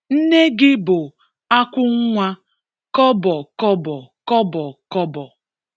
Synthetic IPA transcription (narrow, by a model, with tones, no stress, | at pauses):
n̩˦ne˦ɡɪ˦bʊ˨ | a˦kʷʊ˦ŋ̩˦ŋʷa˦ | kɔ˦bɔ˨kɔ˦bɔ˨kɔ˦bɔ˨kɔ˦bɔ˨